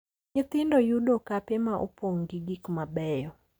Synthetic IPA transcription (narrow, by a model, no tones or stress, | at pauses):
ɲɪt̪ɪndɔjudɔkapɛmaʔṵpoŋɡiɡikmabɛjɔ